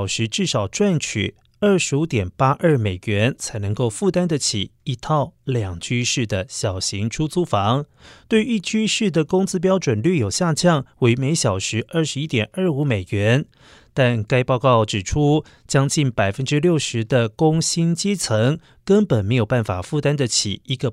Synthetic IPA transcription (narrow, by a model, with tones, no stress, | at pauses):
ʊʂɻ̩˧˥ʈ͡ʂɻ̩˥˩ʂɑ˨˩ʊʈ͡ʂwa˥˩nt͡ɕʰy̰˨˩ | ə˞˥˩ʂɻ̩˧˥u˧˥t̪jɛ˨˩npa˥ʔə˞˥˩me˨˩ɪɥɛ˧˥nt͡sʰa˧˥ɪnɤ˧˥ŋko˥˧ʊfu˥˩t̪a˥nd̪ə˨t͡ɕʰḭ˨˩i˧˥t̪ʰɑ˥˩ʊljɑ˨˩ŋt͡ɕʰy˥ʂɻ̩˥˩d̪ə˩ɕjɑ˨˩ʊɕi˧˥ŋʈ͡ʂʰu˥t͡su˥fɑ˧˥ŋt̪we˥˧ɪi˥˩t͡ɕʰy˥ʂɻ̩˥˩d̪ə˩kʊ˥ŋt͡sɹ̩˥p̬jɑ˥ʊʈ͡ʂwə˨˩nlɥy˥˩jo˨˩ʊɕja˥˧t͡ɕjɑ˥˩ŋwe˧˥ɪme˧˥ɪɕjɑ˨˩ʊʂɻ̩˧˥ʔə˥˩ʂɻ̩˧˥i˥t̪jɛ˨˩nʔə˞˥˩u˧˥me˨˩ɪɥɛ˧˥n | t̪a˥˧nka˥ɪpɑ˥˧ʊkɑ˥˩ʊʈ͡ʂɻ̩˨˩ʈ͡ʂʰu˥ | t͡ɕjɑ˥ŋt͡ɕi˥˩npa˨˩ɪfə˦nʈ͡ʂɻ̩˥ljo˥˩ʊʂɻ̩˧˥d̪ə˧kʊ˥ŋɕi˥nt͡ɕjɛ˥t͡sʰɤ˧˥ŋ | kə˥npə˨˩nme˧˥ɪjo˨˩ʊpa˥˩nfa˨˩fu˥˩t̪a˥nd̪ə˨t͡ɕʰḭ˨˩i˧˥ɡə˧